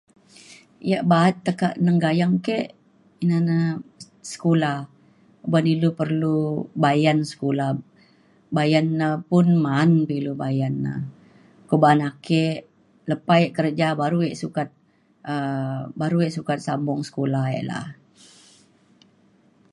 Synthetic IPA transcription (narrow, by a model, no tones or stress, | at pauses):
jaʔbaat̪ːəkaʔnəŋɡajaŋkeʔ | inana | sə̥kulah | banilupərlubajansə̥kulah | bajanːəpʊnmanpilubajanːə̰ | kobaːnakeʔ | ləpaeʔkəɾd͡ʒabaɾueʔsukat̪̚ | əbaɾueʔsukat̪̚sambɔŋsə̥kolaḛʔla̰h